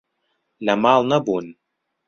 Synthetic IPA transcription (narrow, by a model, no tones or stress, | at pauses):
lʲamaːlˠnɐbunʲ